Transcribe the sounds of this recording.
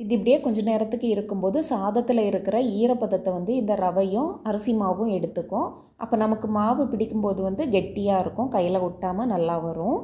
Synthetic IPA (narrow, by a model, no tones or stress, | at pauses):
ɪðɪpːɐɽɪjeːkɔɲd͡ʒɐneːɾɐt̪ːɯkːɯɪɾɯkːɯmpoːðɯsaːðɐt̪ːɪlɐɪɾɯkːɪɾɐiːɾɐpɐðɐt̪ːɐʋɐnd̪ɯɪnd̪ɐɾɐʋɐjʊ̃ɐɾɐsimaːʋɯ̃ɛɽɯt̪ːɯkːʊ̃ | ʔɐ̰pːɐːnɐmɐkːɯmaːʋɯpɪɽɪkːɯmpoːðɯʋɐnd̪ɯɡɛʈːɪjaːɪɾɯkːʊ̃kɐjːɪlɐʊʈːaːmɐnɐlːaːʋɐɾʊ̃